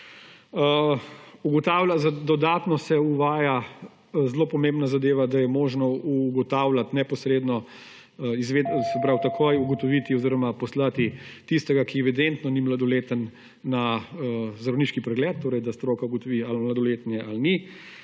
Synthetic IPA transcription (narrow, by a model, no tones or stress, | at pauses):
ə | uɡɔt̪aːwlʲazad̪ɔd̪aːt̪nɔsɛuʋaːja | zloːpɔmẽmbnazad̪eːʋad̪ajɛmoʒnɔuɡɔt̪aːwlʲat̪nɛpɔsɾeːd̪nɔ | izʋeːd̪sɛpɾawt̪akʰojuɡɔt̪ɔʋit̪iɔziɾɔmapɔslat̪it̪ist̪ɛɡakiɛʋid̪ent̪nɔnimlad̪ɔleːt̪ənː | aəzɾɐwniːʃkipɾɛɡlɛːt̪̚ːoːɾɛjd̪ast̪ɾoːkauɡɔt̪ɔʋiːalmlad̪ɔlet̪njɛʔalni